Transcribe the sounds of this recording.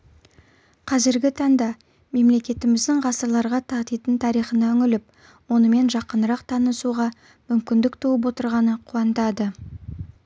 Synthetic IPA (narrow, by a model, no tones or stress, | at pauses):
qʰɑzɪɾɡʲɪt̪ʰɑɴd̪ɑ | me̞mle̞kʲe̞t̪ɪmɪzd̪ɪŋʁɑsəɾlˠɑɾʁɑt̪ʰɑt̪et̪ɪnt̪ʰɑɾijχənɑʏŋʲɪlɪp̚ | wo̞nəme̞nʒɑqːənəɾɑqt̪ʰɑnəsuʁɑ | mʏmkʲɪnd̪ɪkt̪ʰowəp̬wo̞t̪əɾʁɑnəqʰuɑnt̪ɑd̪ə